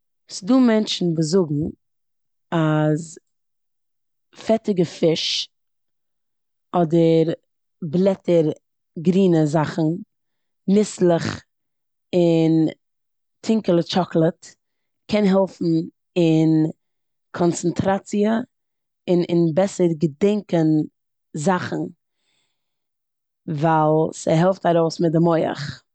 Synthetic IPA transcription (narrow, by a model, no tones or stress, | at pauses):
sɪduːmɛnt͡ʃn̩bəzʊɡŋ̩ | az | fɛtɪɡəfɪʃ | ɔdəɾ | blˠɛtəɾ | ɡɾiːnəzaχn̩ | nɪslˠəχ | ɪn | tʰɪŋkəlˠət͡ʃɔklˠət | kʰɛnɦɛlˠfn̩ | ɪn | kʰɔnt͡sən̩tʰɾat͡siə | ɪnɪnbɛsəɾɡədɛŋkən | zaχn̩ | vaːlˠsəɦɛlˠftaɾoʊsmɪt̚dɪmɔɪə̰χ